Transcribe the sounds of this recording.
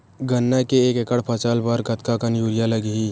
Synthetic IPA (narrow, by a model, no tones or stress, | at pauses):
ɡənːɛkeeːkekəɽpʰət͡ʃaːlbaɾkət̪kakənjuːɾijaləɡi